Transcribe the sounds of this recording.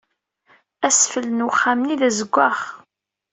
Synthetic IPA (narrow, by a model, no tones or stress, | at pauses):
æsfələnwχːamniðæzəɡʷːaχ